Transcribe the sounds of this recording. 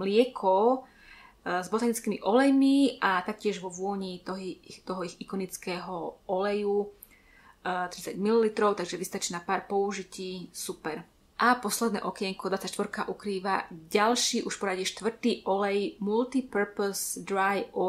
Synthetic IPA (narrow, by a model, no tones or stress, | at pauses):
mlɪɛkʰɔ | zbɔt̪aːnit͡skimḭʔɔlɛjmiʔat̪ak̚cɪɛʒʋɔʋʊɔɲit̪ɔɦit̪ɔɦɔixikɔnit͡skɛːɦɔʔɔlɛju | t̪ɾit͡saɟmililit̪ɾɔʊt̪aɡʒɛʋist̪at͡ʃiːnapaːɾpɔuʒiciːsupɛɾ | ʔapɔslɛd̪nɛ̰ːʔɔkjɛŋkɔd̪ʋat͡sact͡ʃʃt̪ʋɔɾkaʔukɾiːʋaɟalʃiːʔuʃfpɔɾaɟiʃt̪ʋr̩t̪iːʔɔlɛjmult̪ipəɾpɔzd̪ɾajɔ